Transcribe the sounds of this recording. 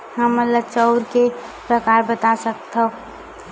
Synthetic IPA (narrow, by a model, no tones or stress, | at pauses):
ɦəmələt͡ʃəʊɾke | pɾəkaɾbət̪asəkt̪ʰə